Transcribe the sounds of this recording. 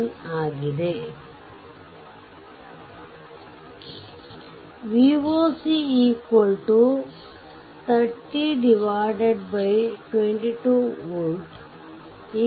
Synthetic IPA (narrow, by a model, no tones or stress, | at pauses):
naːɡid̪e | ʋiʋoːsiiːkolʈu | t̪ʰɐɾʈiɖiʋaːɖeɖbɐjʈwẽɳʈiʈuːʋul | i